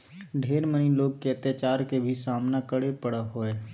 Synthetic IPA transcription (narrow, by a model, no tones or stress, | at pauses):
ɖʱeːɾməniloːɡ̚keət̪jat͡ʃaːɾkebʱisaːmnakəɽepəɽaɦoːeː